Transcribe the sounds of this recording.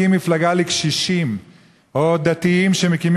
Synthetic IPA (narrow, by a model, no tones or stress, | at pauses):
imːiflaɡalikʃiʃim | od̪at̪iimʃemekim